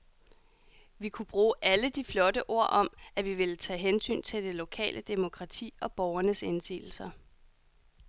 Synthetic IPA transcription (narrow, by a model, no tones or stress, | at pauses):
ʋikʰub̥ʁuːʔæləd̥iflɒ̽dəʔo̝ɐ̰ʔɒ̽mæʋiʋe̝lət͡sʰɛ̰ːɦensy̰ːnt͡sʰe̝ld̥e̝lo̝kʰɛ̰ːlʔəd̥emo̝kʰʁɑ̈t͡sʰḭːɒ̽b̥ɒʊɐnəse̝nsḭːl̩sɐ